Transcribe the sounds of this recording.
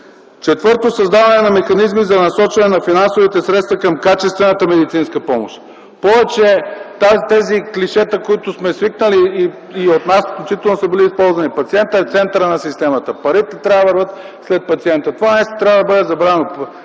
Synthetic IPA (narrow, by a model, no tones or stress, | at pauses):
t͡ʃɛt̪vɤɾt̪osɐzd̪avɐnɛnɐmɛxɐnizmizɐnɐsɔt͡ʃvɐnɛnɐfinansovit̪ɛsɾɛt̪st̪vɐkəmkat͡ʃɛst̪vɛnət̪əmɛd̪it̪sinskəpɔmoʃt̪ | pɔvɛt͡ʃɛt̪at̪ɛzikliʃɛt̪əkoit̪ʊsmɛsviknəliː | ot̪nasfklt͡ʃit̪ɛlˠnosəbiliːspɔlˠzvɐnipɐt̪siɛnt̪əɛft̪sɛnt̪əɾənɐsist̪ɛmɐt̪əpɐɾit̪ɛt̪ɾʲavəvəɾvət̪ | slɛt̪̚pɐt̪siɛnt̪ət̪ovanɐmɛst̪o̥t̪ɾʲavəd̪ɐbɤd̪ɛzɐbɾaɛno